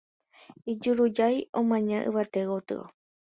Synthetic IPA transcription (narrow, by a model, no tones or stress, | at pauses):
id͡ʒuɾud͡ʒajõmãɲãʔɨ̰βat̪ewot̪ɨ̰o̰